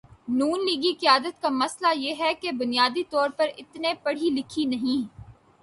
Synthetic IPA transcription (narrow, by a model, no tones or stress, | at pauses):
nuːnliːɡiqɪjaːd̪ət̪̚kamɐslajeːɦɛkebʊnijaːd̪it̪ɔːɾpɐɾɪt̪nepɐɽ̤ilɪkʰinɐɦĩː